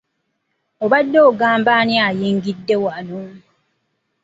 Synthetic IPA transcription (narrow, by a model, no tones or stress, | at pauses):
obadːooɡaːmbanĩajeŋɡidːewanũ